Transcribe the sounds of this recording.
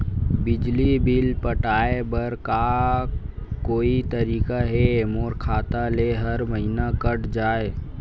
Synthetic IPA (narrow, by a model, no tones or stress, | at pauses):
bɪd͡ʒlibɪlpəʈaːebəɾka | koːit̪əɾiːkaɦemoːɾkʰaːt̪aleɦəɾməɦinakəʈd͡ʒaːe